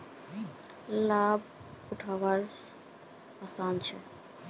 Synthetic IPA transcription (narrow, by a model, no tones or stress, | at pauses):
lab̚uʈʰawaɾ | asant͡ɕʰɛ̰